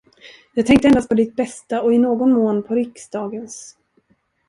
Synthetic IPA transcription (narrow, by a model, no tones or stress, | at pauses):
jɑːɡ̚t̪ɛŋk̚t̪əɛnd̪ast̪pʰɔd̪ɪt̪̚bɛst̪aɔɪnoːɡɔnmoːnpʰɔɾɪksd̪ɑːɡəns